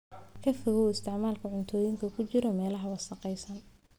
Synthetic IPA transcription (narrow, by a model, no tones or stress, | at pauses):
kʰɐfɔɣɔwɪst̪ʰɪʕmaːlkʰɐʕʊnt̪ʰɔːjɪŋkʰɐkʰʊt͡ʃɪɾɔmɛːlɐɦɐwɑsɐqɛjsɐn